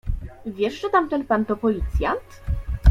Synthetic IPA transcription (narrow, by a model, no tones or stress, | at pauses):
vʲjɛʂʐɛt̪amt̪ɛnpant̪ɔpɔlʲit̪sʲjant̪